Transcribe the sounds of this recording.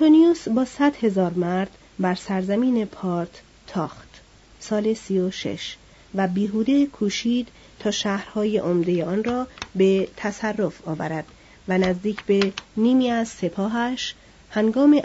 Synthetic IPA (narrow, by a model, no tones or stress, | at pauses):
t̪ʰonijusbɒːsæd̪̥he̞zɒːɾmæɾd̪̥ | bæɾsæɾzæmiːne̞pʰɒːɾt̪ʰ | t̪ʰɒːχt̪ | sɒːle̞siːoʃe̞̰ʃ | væbiːɦuːd̪e̞kʰuːʃiːd̪̥ | t̪ʰɒːʃæːhɾhɒːjeʔomd̪e̞jeɒːnrɒːbe̞t̪ʰæsærːo̞fɒːvæ̰ɾæd̪̥ | vænæzd̪iːcʰbe̞niːmiːæzse̞pʰɒːɦæʃ | hæŋɡɒːme